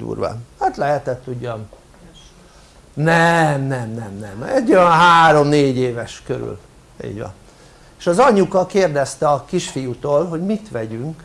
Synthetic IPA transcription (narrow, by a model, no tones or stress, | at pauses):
d̪ṵːrʋa̰hat̪lɛɦɛt̪ɛt̪ːuɟːɒm | nɛmnɛmnɛmnɛmɛɟøɒɦaːɾo̞mneːɟeːvɛʃkøɾy̰l | ḭːɟʋɒ̰n | eʃɒzɒɲukɒkeːrd̪ɛst̪ɛɒkiʃfijut̪oːlɦo̞ɟmit̪ʋɛɟyŋk